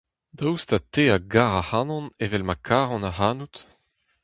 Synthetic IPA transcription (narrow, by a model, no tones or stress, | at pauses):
d̪awst̪at̪eaɡaʁahanɔ̃nevɛlmakʰaːʁɑ̃naɦanut̪